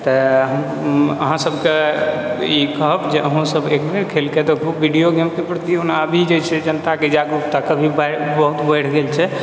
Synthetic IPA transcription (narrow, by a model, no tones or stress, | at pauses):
t̪ɔɦəm | ə̰ɦãsəbʱke | ikəɦpd͡ʒeʔəɦũsəbekmeɾkʰelket̪ɔkʰubːiɖijoɡəmkepɾət̪ionabʱid͡ʒet͡ʃʰɛd͡ʒənt̪aked͡ʒaɡɾup̚t̪akəbʱibabəɦut̪bəjɽ̤ʰɡelt͡ʃʰɛ